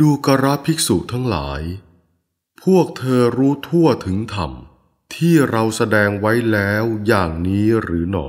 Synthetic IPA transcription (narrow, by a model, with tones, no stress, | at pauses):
duː˧ka˧ɾa˦˥pʰi˦˥k̚su˨˩t̪ʰa˦˥ŋla̰ː˩˦j | pʰu˥˩ək̚t̪ʰɤː˧ɾuː˦˥t̪ʰu˥˩ɐt̪ʰɯ˩˦ŋt̪ʰa̰˨˩m | t̪ʰiː˥˩ɾa˧wsa˧dɛː˧ŋwa˦˥jlɛː˦˥wjaː˨˩ŋniː˦˥ɾɯː˩˦nɔ̰˨˩